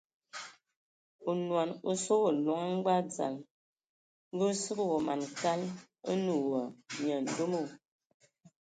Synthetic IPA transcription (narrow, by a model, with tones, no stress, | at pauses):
u˨nwa˨no˦so˦wo˨lɔ˨ŋa˦ɡ͡ba˦d͡za̰˨l | ŋ˦ɡə˦sɨ˦ɣə˦wo˨ma˨nka˦l | ə˦nu˨wə˨ɲ˨ə˨n̩˦du˦mu˦˨